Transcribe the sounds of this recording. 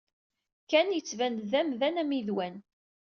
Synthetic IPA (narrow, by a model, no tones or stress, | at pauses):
kænjət͡sːvænðæmðænæmiðwæn